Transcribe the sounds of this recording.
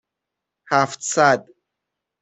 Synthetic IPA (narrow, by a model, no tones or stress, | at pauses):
hæft̪sæd̪